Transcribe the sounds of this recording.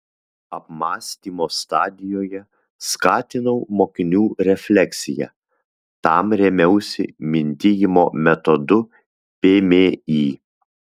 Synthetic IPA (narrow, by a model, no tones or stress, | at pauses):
ɐpmɑːsʲt̪ʲiːmoːst̪ɑːd̪ʲɪjoːjɛ | skɑːt̪ʲɪnɐʊmoːkʲɪnʲuːɾʲɛfʲlʲɛksʲɪjɛ̰ | t̪ɑmɾʲɛmʲɛʊsʲɪ̰mʲɪnʲt̪ʲɪjɪmoːmʲɛt̪ɔd̪ʊ | pʲeːmʲeːiː